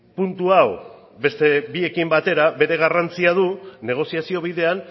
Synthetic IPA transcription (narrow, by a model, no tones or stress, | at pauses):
punt̪uaw | be̞st̪e̞bie̞kimbat̪e̞ɾaβe̞ɾe̞ɣ̞arant͡siað̞une̞ɣ̞o̞siasio̞β̞iðe̞an